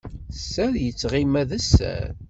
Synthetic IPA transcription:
sːæljət͡sːʁimæðæsːæ̰ɾ

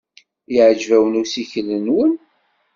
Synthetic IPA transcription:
iʕd͡ʒvæwənusiçəlːənwən

